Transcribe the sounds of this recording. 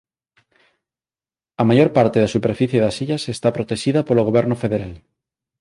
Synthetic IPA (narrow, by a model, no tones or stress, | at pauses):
amaʝoɾpaɾt̪eðasupeɾfiθjeðasiʎasest̪apɾot̪eʃiðapoloɣ̞oβeɾnofeðeɾal